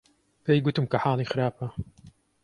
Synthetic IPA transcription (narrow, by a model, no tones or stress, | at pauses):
pejɡʊt̪ɨmkɐħɑːlˠiːxɨɾaːpɐ